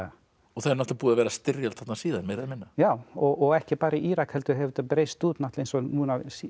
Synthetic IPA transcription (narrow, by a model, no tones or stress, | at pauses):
ɔθaɾnɔht̪apuːðavɛːɾast̪ɪrjalt̪θat̪nasiːðanmɛɾaðmɪnːajaːwɔʔɔɣɛhcɪpaːɾiʔiːɾakhɛlt̪ʏɦɛvɾt̪apɾeːjst̪uːt̪naht̪lejnsɔnuːnas